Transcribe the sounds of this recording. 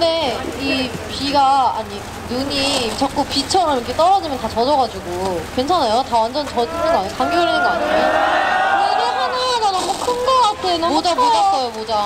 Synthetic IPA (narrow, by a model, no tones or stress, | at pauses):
kɯɯnde̞ipiɡaaɲi | nuɲit͡ɕʌk͈upit͡ɕʰʌɾɯok͈ʰet͈ʌɾʌd͡ʑimjʌntat͡ɕʌd͡ʑʌɡad͡ʑuɡukwe̞nt͡ɕʰanajotawand͡ʑʌnt͡ɕʌd͡ʑinːɯnɡʌaɲikanɡjʌɾinɯnɡʌaɲimjʌn | enehanaɡanʌmokʰɯnɡoɡat͈ʰɯnmod͡ʑamod͡ʑas͈ʌjomod͡ʑa